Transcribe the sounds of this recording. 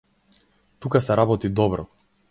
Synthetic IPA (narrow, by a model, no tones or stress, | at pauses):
t̪ukasɛɾabɔt̪id̪ɔbɾɔ